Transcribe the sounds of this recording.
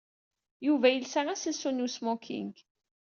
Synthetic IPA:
juvæjəlsaʁæsəsunusmɔkʰːḭŋɡ

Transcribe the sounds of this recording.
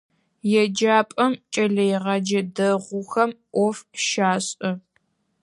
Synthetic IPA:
jɛd͡ʒaːpʼɐmt͡ʃʼɐɮɐjʁɐd͡ʒɐdɐʁʷʊxɐmʔʷɔfʃaːɕʼɨ

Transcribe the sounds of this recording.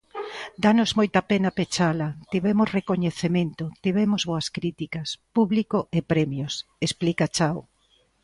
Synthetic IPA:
d̪anozmojt̪ɐpenɐpet͡ʃalɐt̪iβɛmosrekoɲeθemẽnt̪ʊt̪iβɛmozβoɐskɾit̪ikɐspuβlikoʔepɾɛmjosesplikat͡ʃaw

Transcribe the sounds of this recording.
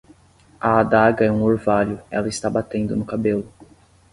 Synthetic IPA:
ɐad̪aɡɐɛũoɾvaʎʊɛ̰lɐɪst̪abat̪ẽnd̪ʊnʊkabelʊ

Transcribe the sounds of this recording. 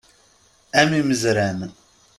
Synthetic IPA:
æmiməzɾæmən

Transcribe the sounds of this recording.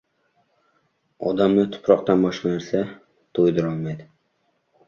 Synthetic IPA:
ɒd̪amnɪt̪ʰʊ̥pʰɾɒq̚t̪anbɒʃqanaɾsa | t̪ʰojd̪ɪɾɒlˠmajd̪ɪ

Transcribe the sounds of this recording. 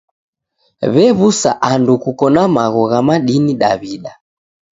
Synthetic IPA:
βɛβusa̰ʔandukukɔnamaɣɔɣamaɗiniɗaβiɗa

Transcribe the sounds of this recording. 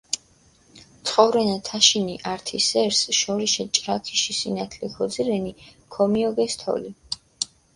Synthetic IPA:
t̪sʰʼχʼɔvɾɛnat̪ʰaʃiniʔaɾt̪ʰisɛɾsʃɔɾiʃɛt͡ʃʼɾakʰiʃisinat̪ʰlɛkʰɔd̪ziɾɛnikʰɔmiɔɡɛst̪ʰɔ̰li

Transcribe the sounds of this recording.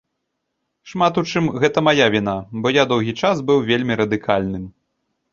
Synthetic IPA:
ʂmat̪ut͡ʂɨmɣɛt̪ɐmajavʲin̪abɔjad̪ɔwɣʲit͡ʂasbɨwvʲelʲmʲiɾɐd̪ɨkʰalʲnɨm

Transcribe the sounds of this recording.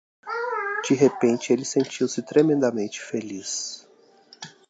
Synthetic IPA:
d͡ʒiɦepẽnt͡ʃɪelɪsẽnt͡ʃiwsɪt̪ɾemẽnd̪ɐmẽnt͡ʃɪ̥felis

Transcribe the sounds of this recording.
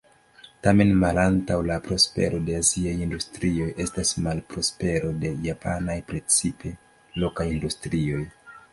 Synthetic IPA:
tame̞nmalantawlapɾo̞spe̞̰ɾo̞de̞aziajindustɾio̞jʔe̞stasmalpɾo̞spe̞ɾo̞de̞japʰa̰najpɾe̞t͡sipe̞ | lo̞kajindustɾio̞j

